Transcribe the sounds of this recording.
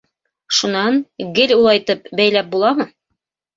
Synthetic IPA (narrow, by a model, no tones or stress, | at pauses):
ʃunɑnɡɘlʲulˠɑjt̪ɤp̚bæjlæp̚bulˠɑmɤ